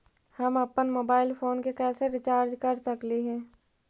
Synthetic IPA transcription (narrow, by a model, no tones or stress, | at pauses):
hɐmɐpənmoːbaːɪlfʰoːnkekɛːseɾɪt͡ʃaːɾd͡ʒkɐɾsɐkliɦɛ̃ː